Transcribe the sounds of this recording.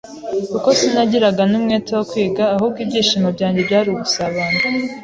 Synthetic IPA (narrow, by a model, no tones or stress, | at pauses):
ukosinaɟiɾaɡanuːmŋeːtawokwiːɡaːhub̚ɡiːbɟiːʃiːmobɟaːɲɟe̞bɟaːɾiɡusaβaːna